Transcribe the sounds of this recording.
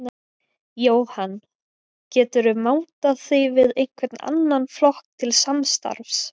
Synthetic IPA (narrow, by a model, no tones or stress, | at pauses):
joːwhan | cɛːt̪ʏɾʏmaːwt̪aθivɪðejn̥kʰvɛɾt̪na̰nːanflɔhkt̪ʰɪlsamst̪a̰ɾfs